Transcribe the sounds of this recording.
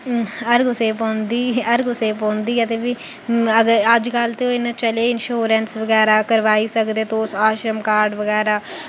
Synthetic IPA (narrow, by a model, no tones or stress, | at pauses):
əɾɡʊseːpɔ̃ːnd̪iːəɾɡʊseːpɔ̃ːnd̪iːət̪eːʋiː | əɡəəd͡ʒkəlt̪eõɪnãt͡ʃəleːɪnʃoːɾənsʋəɡɛːɾaːkəɾʋaːiːsəkd̪eːt̪oːsaːʃɾəmkaːɾɖʋəɡɛːɾaː